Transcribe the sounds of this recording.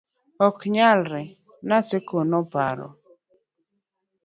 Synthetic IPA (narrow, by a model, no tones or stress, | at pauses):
ɔkɲalɾɛ | nasekonɔpa̰ɾɔ̰